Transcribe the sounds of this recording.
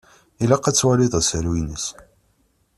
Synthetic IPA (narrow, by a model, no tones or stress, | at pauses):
ilæqːæt͡sːwæliðˤæsəɾwinəs